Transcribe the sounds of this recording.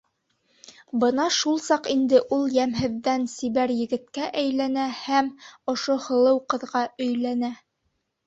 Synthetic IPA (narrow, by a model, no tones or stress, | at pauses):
bɤnɑʃulˠsɑqind̪ɘʔulˠjæmɦɘ̆ðːænsiβæɾjɘ̆ɡɘ̆t̪kæʔæjlænæhæmŏʃohɤ̆lˠɤwqɤ̆ðʁɑɵ̆jlænæ